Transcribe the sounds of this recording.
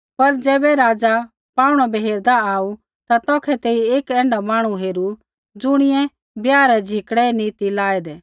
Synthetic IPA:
pɐɾd͡ʒɛːbɛɾaːd͡ʒa | paːuɽ̃ɔbeɦeːɾd̪aaːu | t̪at̪ɔːkʰɛt̪eːieːkɛ̃ːɳɖamaːɽ̃uɦeːɾu | d͡zʊɽ̃ɪjɛ̃ | bjaːɾɛd͡ʒʱɪkɽɛniːt̪ilaːɛd̪ɛː

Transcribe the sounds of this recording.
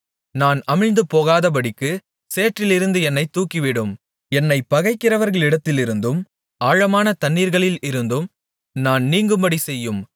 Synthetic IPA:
naːnɐmɪɻnd̪ɯpoːɣaːðɐp̬ɐɽɪkːɯ | seːʈrɪlɪɾɯnd̪ɯɛnːɐɪt̪ːuːkːɪʋɪɽɯm | ɛnːɐɪpɐɣɐɪkːɪrɐʋɐɾɣɐɭɪɽɐt̪ːɪlɪɾɯnd̪ɯm | aːɻɐmaːnɐt̪ɐnːiːɾɣɐɭɪlɪɾɯnd̪ɯm | naːnniːŋɡɯmbɐɽisɛjːɯm

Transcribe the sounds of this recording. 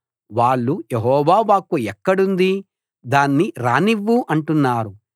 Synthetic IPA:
ʋaːɭːujeɦɔːʋaːʋaːkuɛkːɐɽund̪i | d̪aːnːiɾaːniʋːuʔɐɳʈunːaːɾu

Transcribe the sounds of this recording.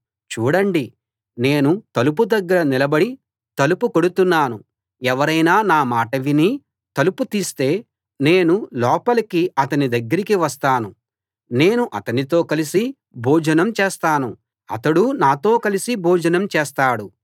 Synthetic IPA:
t͡ʃuːɽɐɳɖi | ne̞ːnut̪ɐlup̬ud̪ɐɡːɐɾɐnilɐbɐɽi | t̪ɐlupuko̞ɽut̪unːaːnu | ɛʋɐɾɐjnaːnaːmaːʈɐʋini | t̪ɐluput̪iːst̪e̞ː | ne̞ːnulɔːpɐlɐkiɐt̪ɐnid̪ɐɡːɐɾikiʋɐst̪aːnu | ne̞ːnuʔɐt̪ɐnit̪o̞ːkɐlisi | bʱuːd͡ʒɐnɐmt͡ʃeːst̪aːnu | ɐ̰t̪ɐɽunaːt̪o̞ːkɐlisibʱuːd͡ʒɐnɐmt͡ʃɛːst̪aːɽu

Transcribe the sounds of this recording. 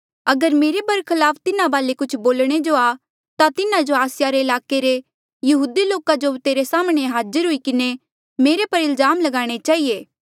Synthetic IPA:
ɐɡəɾmeːɾebɐɾkʰɪlaːpʰt̪ɪnãbaːlekʊt͡ʃʰboːlɽ̃ed͡ʒoa | t̪at̪ɪnãd͡ʒoaːsɪjaɾeɪlaːkeɾe | jɐɦuːd̪iloːkad͡ʒot̪eːɾesaːmɽ̃eɦaːzəɾɦʊikɪne | meːɾepɐɾɪlzaːmlɐɡaːɽ̃et͡ʃaːieː

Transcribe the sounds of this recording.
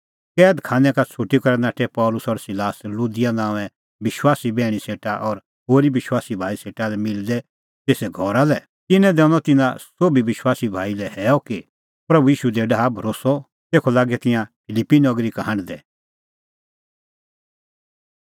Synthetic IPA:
kɛːd̪kʰãːnɛkat͡sʰuʈikɐɾɛnaːʈɛpɔːlʊsɔɾsɪlaːslud̪ɪjanãːɛ̃ | bɪʃwaːsibɛːɽ̃iseːʈaʔɔɾ | ɦoːɾibɪʃwaːsibʱaːiseːʈalɛmɪld̪ɛ | t̪eːsɛɡʱɔɾalɛ | t̪ɪnɛ̃d̪ɛ̃ñɔt̪ɪnã̰soːbʱiʋɪʃwaːsibʱaːilɛhɛːɔki | pɾɐbujiːʃud̪eɖaɦabʱɐɾoːsɔ | t̪eːkʰɔlaːɡɛt̪ɪ̃jãpʰɪlɪpːinɐɡɾikaɦɐ̃ɽd̪ɛ

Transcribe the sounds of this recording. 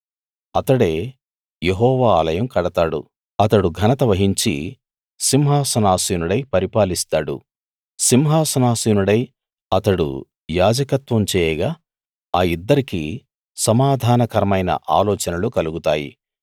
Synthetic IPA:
ɐt̪ɐɽe̞ː | jeɦɔːʋaːlɐjɐmkɐɽɐt̪aːɽṵ | ɐt̪ɐɽuɡʱɐnɐt̪ɐʋɐɦiɲt͡ʃḭ | simɦaːsɐnaːsiːnuɽɐjpɐɾipaːlist̪aːɽṵ | simɦaːsɐnaːsiːnuɽɐj | ɐt̪ɐɽṵ | jaːd͡ʒɐkɐt̪ʋɐmt͡ʃɛːjɛɡaː | aːid̪ːɐɾikḭ | sɐmaːd̪ʱaːnɐkɐɾɐmɐjnɐ̰ʔa̰ːlɔːt͡ʃɐnɐlukɐluɡut̪aːjḭ

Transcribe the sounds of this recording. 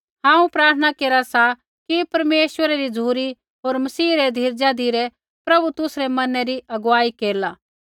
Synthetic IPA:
ɦãːũpɾaːɾt̪ʰənakeːɾasa | kipɐɾmeːʃwəɾɛɾid͡zuːɾi | ɦoːɾmɐsiːɾɛd̪ʱiːɾd͡ʒad̪ʱiɾɛ | pɾɐbut̪ʊsɾɛmɐnɛɾiɐɡʋaːikeːɾlaː

